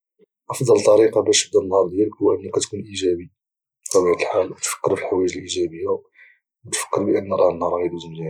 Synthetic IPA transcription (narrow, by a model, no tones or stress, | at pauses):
ʔɑfd̪ˤɑlt̪ˤːɑɾiqɑbæʃəbd̪ænːhɑɾˤd̪jæləkwæʔənːəkːæt̪kunʔiʒæbi | fæbæt̪əlħalwət̪fə̥kːəɾfilħawæʒəlʔiʒæbəjːæa | wət̪fə̥kːəɾbəʔənːəɾˤɑhənhɑɾˤɑjæliʒəmli